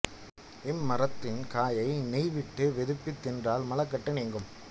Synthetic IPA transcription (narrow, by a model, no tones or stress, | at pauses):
ɪmːɐrɐt̪ːɪnkaːjɐɪnɛɪʋɪʈːɯʋɛðɯpːɪt̪ːɪndraːlmɐlɐkːɐʈːɐneːŋɡɯm